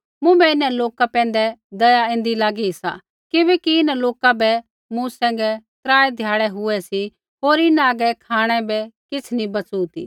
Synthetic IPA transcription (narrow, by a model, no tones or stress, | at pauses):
mʊ̃bɛɪnɛ̃loːkapɛ̃ːn̆d̪ɛd̪ɐjaẽːnd̪ilaːɡiɦɪsa̰ | kɪbɛkiɪnɛ̃loːkabɛ | mũsɛ̃ːŋ̆ɡɛt̪ɾaːed̪ʱjaːɽɛɦʊɛsi | ɦoːɾɪnɛaːɡɛkʰaːɽ̃ɛbɛkɪt͡sʰnĩbɐt͡sut̪ḭː